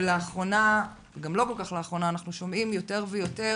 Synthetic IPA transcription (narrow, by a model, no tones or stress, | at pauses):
leaχʁo̞na | ɡamlo̞kolkaχleːχʁo̞naːnaχnuʃomimjo̞te̞ʁvejo̞te